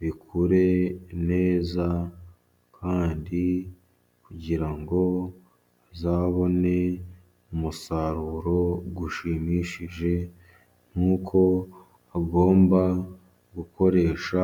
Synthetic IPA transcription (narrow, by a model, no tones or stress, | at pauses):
βikʰuɾe̞ne̞ːza | kʰaːndi | kuɟiɾaŋɡo̞ | zaːβo̞ne̞ | umusaɾuːɾo̞ɡuʃiːmiːʃiʒe̞ | ŋ̥huːkʰo̞ | aɡo̞ːmba | ɡuko̞ɾe̞ːʃa